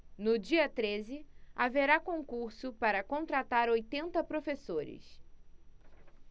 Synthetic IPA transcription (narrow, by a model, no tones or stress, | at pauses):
nʊd͡ʒiɐt̪ɾezɪaveɾakõŋkuɾsʊpaɾɐkõnt̪ɾat̪aɾojt̪ẽnt̪ɐpɾofesoɾɪ̰s